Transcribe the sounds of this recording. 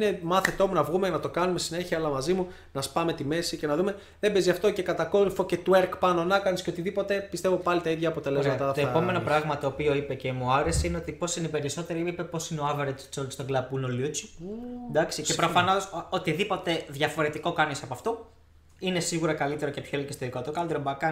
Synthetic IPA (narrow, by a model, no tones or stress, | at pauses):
nemɐθet̪o̞munɐvɣumenɐt̪o̞kɐnumessine̞çiɐɐlɐmɐzimu | nɐspɐme̞t̪ime̞sicenɐðume̞ | ðe̞beziɐft̪o̞ce̞kɐt̪ɐko̞ɾifo̞ce̞t̪ueɾkpɐnonɐkɐnisceo̞t̪iðipo̞t̪e̞pist̪evo̞pɐlit̪ɐiðʝɐːpo̞t̪e̞le̞zmɐt̪ɐt̪oeɐpo̞me̞nopɾɐɣmɐt̪o̞ːpio̞ipece̞muɐɾe̞seineo̞t̪ipo̞sinepe̞ɾiso̞t̪e̞ɾiipe̞po̞sineoɐveɾet̪ssost̪oɡlɐbunoljut͡ʃi̥d̪ɐksiepɾofɐno̞sot̪iðipo̞t̪e̞ðʝɐfo̞ɾe̞t̪iko̞kɐnisɐpoɐft̪o̞ | inesiɣuɾɐkɐlit̪e̞ɾo̞ce̞pçoelecest̪oðikot̪okɐld̪eɾobɐkɐ